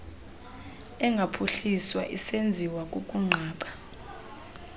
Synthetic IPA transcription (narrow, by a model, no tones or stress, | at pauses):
ɛŋɡʱapʰuɬiswaʔisend͡zʱiwakʼukʼuŋ͡ǀʱaːɓḁ